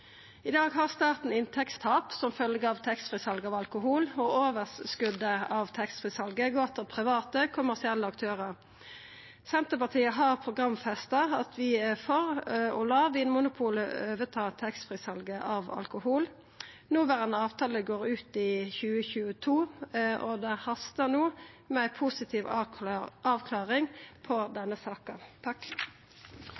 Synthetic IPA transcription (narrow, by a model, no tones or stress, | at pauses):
ɪd̪ɑːɡɦɑʁst̪ɑːʁt̪n̩ɪnt̪ʰɛkst̪ʰɑːpsɔmfœlɡəɑʋt̪ʰɛkst̪fʁɪsɑlɡəɑːʋɑlkʊɦuːlɔoːʋəsskʉd̪əɑːʋt̪ʰɛkst̪fʁɪsɑlɡəɡɔt̪ʰəlpʰʁɪʋɑːt̪əkʰʊmæʁsɪɛlːəɑkt̪ʰøːʁəʁ | sɛnt̪əpɑʁt̪ʰiːəɦɑʁpʰʁʊɡʁɑmfɛst̪ɑɑt̪ʰʋɪfɔʁɔlɑːʋɪːnmʊnʊpʰuːləøːʋət̪ʰɑːt̪ʰɛkst̪fʁɪsɑlɡəʔɑʋɑ̰lkʊhuːl | nuːʋæʁənəɑːʋt̪ʰɑːləɡoːʁʉːt̪ɪçʉːəçʉːət̪ʰuːʔɔd̪ɛhɑst̪ənuː | mɛæɪpʰusɪt̪ʰiːʋ | ʔɑːʋkʰlɑːʁɪŋpʰɔd̪ɛnːəsɑːkɑt̪ʰɑk